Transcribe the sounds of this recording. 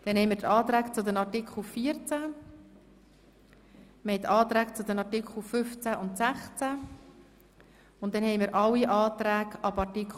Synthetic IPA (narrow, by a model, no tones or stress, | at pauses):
d̥ɛnhɛɪmiːɾtɑːt̪ɾæːkt͡sʊd̪ənɑɾtɪkχl̩fiːəɾt͡sæ | məhɛɪtɑːt̪ɾæːkt͡sʊd̪ənɑɾtɪkχl̩fʏft͡sæʔʊntsæχt͡sæ | ʊnt̚d̥ɛnhɛjmiːɾʔɑwiʔɑːt̪ɾæːkɑbɑɹtik